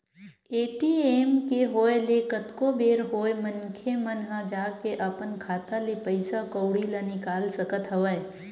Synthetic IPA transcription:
eːʈieːmkeɦoːelekət̪kobeːɾɦoːemənkʰemənɦãd͡ʒaːɡkeʔəpənkʰaːt̪alepəɪsakəʊɽilanɪkaːlsəkət̪ɦɐʋə

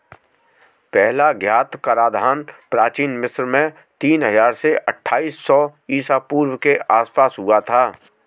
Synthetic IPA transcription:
pɛɦlaɡʱjaːt̪kaɾaːd̪ʱaːnpɾaːt͡ʃiːnmɪsɾmẽ | t̪iːnɦəzaːɾseʔɐʈʰːaːiːsːɔiːsapuːɾwkeaːspaːsɦʊat̪ʰaː

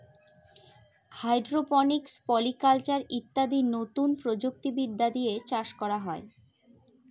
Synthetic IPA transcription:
hajɖɾopɔnikspɔlikalt͡ɕaɾit̪ːad̪inot̪unpɾod͡ʑuk̚t̪ibid̪ːad̪ijet͡ɕaʃkɔɾaɦɔe

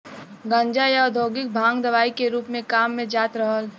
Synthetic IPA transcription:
ɡə̃ɲd͡ʒajad̪ʱoːɡɪk̚bʱãːŋɡd̪əʋaːikeɾuːpmẽkaːmːẽd͡ʒaːt̪ɾəɦəl

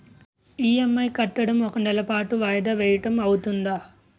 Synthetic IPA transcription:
iːemːɐjkɐʈːɐɽɐmɔkɐnɛlɐpaːʈuʋaːjɐd̪ɐʋɛːjɐʈɐmɐwut̪und̪aː

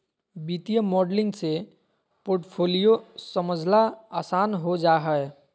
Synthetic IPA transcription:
bit̪ijəmɔːɖlɪ̃ŋɡse | poːɾʈpʰoːlijosəməd͡ʒʱlaaːsaːnɦod͡ʒaːɦəe

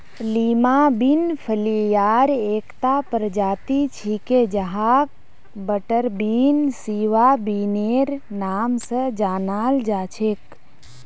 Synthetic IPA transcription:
liːmabinpʰəlijaːɾeːkt̪apəɾd͡ʒaːt̪it͡ʃʰiked͡ʒəɦaːk̚ | bəʈəɾbiːnsiːʋabiːneɾnaːmsəd͡ʒaːnaːld͡ʒaːt͡ʃʰeːk

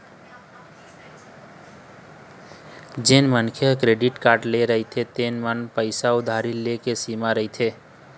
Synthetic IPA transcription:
d͡ʒenmənkʰekɾeːɖɪʈkaːɾʈleɾəɦit̪ʰet̪eːnmənpəɪsaʊd̪ʱaːɾilekesiːmaɾəɦit̪ʰe

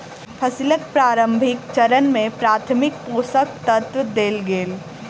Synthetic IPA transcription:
pʰəsilək̪̚pɾaːɾə̃mbʱɪkt͡ʃəɾənmẽpɾaːt̪ʰmɪk̚poːsək̚t̪ət̪wd̪eːlɡeːl

